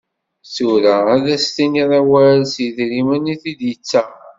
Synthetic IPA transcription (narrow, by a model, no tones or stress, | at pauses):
θuɾaæðæst̪iniðˤæwæɾlsjəðɾimæniθid̪jət͡sːæ